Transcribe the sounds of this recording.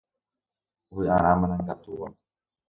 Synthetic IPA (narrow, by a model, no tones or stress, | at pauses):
uwiaɾamanaŋkat̪uwa̰n